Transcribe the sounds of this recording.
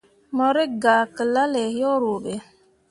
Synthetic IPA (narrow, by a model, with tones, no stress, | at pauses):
mɔ˨ɾi˦ɡaː˨kə˨la˦le˨jɔ˦ɾo˨ɓe˨